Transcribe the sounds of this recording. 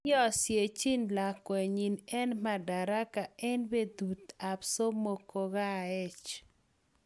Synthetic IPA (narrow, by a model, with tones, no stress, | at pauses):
jɔ˦sje˨t͡ʃi˦nla˨kwe˨ɲi˨nɛ˦nma˨da˨ɾa˦ka˨ɛ˦nbe˦d̪u˨t̪a˨pso˦mo˨ko˦ɣa˦ɛ˦t͡ʃ